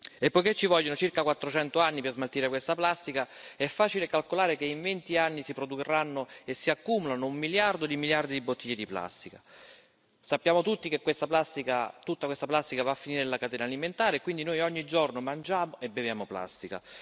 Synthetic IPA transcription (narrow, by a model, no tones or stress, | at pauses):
epːojket͡ʃːivɔʎːonot͡ʃirkakwat̪ːɾot͡ʃɛnt̪oanːipezmalt̪iːɾekwest̪aplast̪ikaɛfːaːt͡ʃilekalkolaːɾekeiɱvent̪ianːisipɾod̪uɾanːoesːiakːumulanoumːiljard̪od̪imiljard̪id̪ibot̪ʰːiʎːed̪ipla̰st̪ika | sapːjaːmot̪ut̪ːikekːwest̪aplast̪ikat̪ut̪ːakwest̪aplast̪ikavafːiniːɾeelakat̪ɛːnaːliment̪aːɾeːkwind̪inojɔɲːid͡ʒornomand͡ʒaːmoʔebevjaːmopla̰st̪ika̰